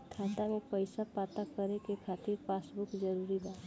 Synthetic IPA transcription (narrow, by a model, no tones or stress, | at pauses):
t̪ʰãːnd̪amẽpəɪsapaːt̪akəɾekekʰaːt̪ɪɾpaːsbʊkd͡ʒəɾuːɾibaːt̪